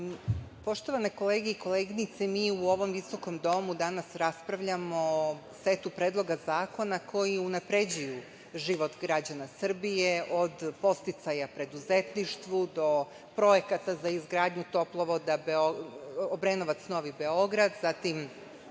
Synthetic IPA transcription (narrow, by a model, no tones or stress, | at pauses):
po̞ʃt̪o̞ʋane̞ko̞leːɡeiko̞lˠeɡinit̪semiːuo̞ʋo̞mʋiso̞ko̞md̪o̞mud̪anasɾaspɾaʋʎamo̞ | set̪upɾeːd̪lˠo̞ɡazaːko̞nakʰo̞jiunapɾe̞d͡ʑuju | ʒiʋo̞t̪ɡɾad͡ʑanasr̩bijeʔo̞d̪po̞st̪it̪sajapɾe̞d̪uzet̪niʃt̪ʋud̪o̞ | pɾo̞jekat̪azaizɡɾaːd̪ɲut̪o̞plˠoʋod̪abeoobɾenoʋat̪sno̞ʋibe̞o̞ɡɾad̪zat̪im